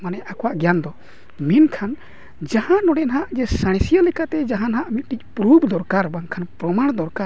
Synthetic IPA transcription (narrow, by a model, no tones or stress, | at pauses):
manɛʔakɔwaʔɡɛjand̪ɔ | minkʰan | d͡ʒahãnɔɽɛnɦaʔd͡ʒɛsaɽ̃sijalɛkat̪ɛd͡ʒaɦanɦaʔmit̪̚ˀʈic̚ˀpɾubd̪ɔɾkaɾbaŋkʰanpɾɔmaɽ̃d̪ɔɾkaɾ